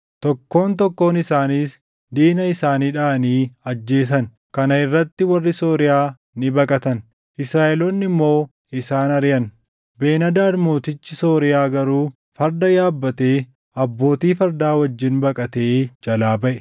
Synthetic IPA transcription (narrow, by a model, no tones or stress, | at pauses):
t̪ɔkːo̞ːnt̪ɔkːo̞ːnɪsaːniːs | d̪iːnɐɪsaːniːᶑaːɐniːɐd͡ʒːe̞ːs̬ɐn | kɐnɐɪrːɐt̪ːɪwɐrːɪso̞ːɾɪjaː | nɪbɐkʼɐt̪ɐn | ʔɪsɾaːʔɛlonːɪmːo̞ː | ɪsaːnɐɾjɐn | be̞ːnɐd̪aːɾmoːt̪ɪt͡ʃːɪso̞ːɾɪjaːɡɐɾuː | fɐɾd̪ɐjaːbːɐt̪e̞ː | ɐbːo̞ːt̪iːfɐɾd̪aːwɐd͡ʒːɪnbɐkʼɐt̪e̞ːd͡ʒɐlaːbɐʔɛ